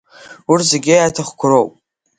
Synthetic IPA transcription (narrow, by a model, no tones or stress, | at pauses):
urzeɡʲɪjatʰaχkʷʰʊɾowpʼ